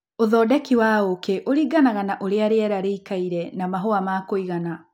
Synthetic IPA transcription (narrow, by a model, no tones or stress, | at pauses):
oðɔːdɛkiwaokeʔoɾiɡanaɣanaʔoɾeaɾeɛɾaɾeikaiɾɛnamaɦoamakoiɣana